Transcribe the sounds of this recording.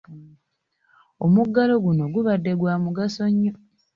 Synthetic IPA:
omuɡːalo̞ɡuno̞ɡuβadːe̞ɡwaːmuɡaso̞ɲːo

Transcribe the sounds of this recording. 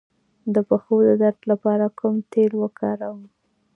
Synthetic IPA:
d̪əpəxod̪əd̪aɾd̪lapɑɾakʰʊmt̪elwəkʰɑɾawə

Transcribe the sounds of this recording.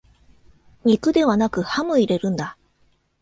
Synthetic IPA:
ɲʲikɯ̟d̪e̞βanakɯ̟hamɯ̟iɾe̞ɾɯ̟̃nd̪a

